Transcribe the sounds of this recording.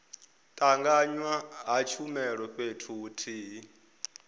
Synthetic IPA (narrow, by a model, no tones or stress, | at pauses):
tʼaŋɡaɲwaɦat͡ʃʰumɛɺɔpʼetʰuːtʰiːɦ